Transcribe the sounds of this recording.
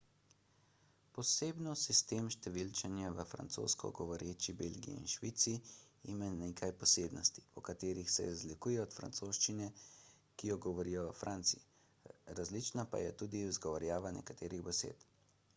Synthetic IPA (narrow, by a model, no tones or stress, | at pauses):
pɔseːbnɔsist̪eːmʃt̪ɛʋilt͡ʃɛnjaʋəfɾa̰nt̪so̰ːskɔ̰ɡɔʋɔɾeːt͡ʃibelɡḭḭnʃʋiːt̪siː | maneːkʰajpɔseːbnɔst̪i̥pɔkat̪eːɾixsɛ̰zlikuːjɛɔt̪fɾa̰nt̪soːʃt͡ʃinɛ | kijɔɡɔʋɔɾiːjɔʋəfɾʔaːnt̪si | ɾazlit͡ʃnapa̰jɛt̪uːd̪izɡɔʋɔɾjaːʋanɛ̰kḁt̪eːɾiɣbɛsḛːt̪